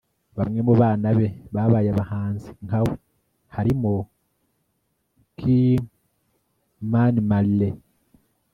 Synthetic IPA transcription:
βamŋe̞muβaːnaβe̞βaβaːjaβahaːnziŋkawe | haɾimo | kʰi | manimalːe

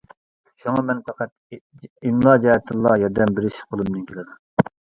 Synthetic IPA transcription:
ʃuŋɑmɛnpʰæqʰæt̪̚ | imlˠɑd͡ʒɛɛt̪ʰɨlˠːɑjɑɾd̪ɛmbɪɾɪʃqʰolˠɨmnɨnkʲʰelɨd̪um

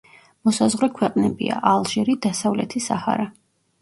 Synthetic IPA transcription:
mɔsazʁɾɛkʰwɛqʼnɛbḭa̰ʔalˠʒɛɾid̪asavlɛ̰t̪ʰisaha̰ɾa

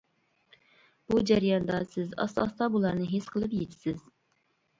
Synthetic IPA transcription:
b̥ud͡ʒæɾjɑnd̪ɑsɪzɑ̰sɑ̰st̪ɑbulˠɑɾnɨɦesqʰəlˠɨpjet̪ʰɪ̥sɪz

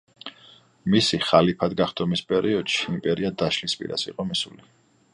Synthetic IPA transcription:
misiχalipʰad̪ɡaχd̪ʰɔmispʼɛɾiɔd̪̥ʃiimpʼɛɾiad̪aʃlispʼḭɾa̰sḭqʼɔmisṵli

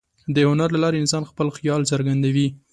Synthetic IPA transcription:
d̪əhʊnaɾlalɑɾeɪnsɑnxpəlxjɑlsaɾɡand̪awi

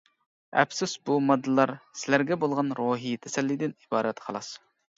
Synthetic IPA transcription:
ɛ̰psɪzbumɑd̪ːɨlˠɑɾsɪlæɾɡʲɛbolˠʁɑnɾoːɦit̪ʰɛsɛlːid̪ɪnibɑːɾɛt̪qʰɑlˠɑs

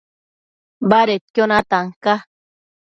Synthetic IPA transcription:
baɾet̪̚kʲjonat̪aŋka

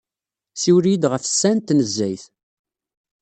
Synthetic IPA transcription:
siwɾid̪ʁəfsːænt̪nəzːæjθ

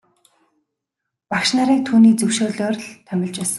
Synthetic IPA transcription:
pakʃnaɾiːk̚t̪ʰuːniːt͡sɵwʃoːɮoːrɮt̪ʰœmʲɪ̆ɮt͡ɕpæːsə̆

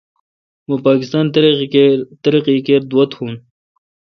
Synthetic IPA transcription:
mɐpaːkɪst̪ɑːn | t̪ɐɾiqikeɾd̪wɐt̪huːn

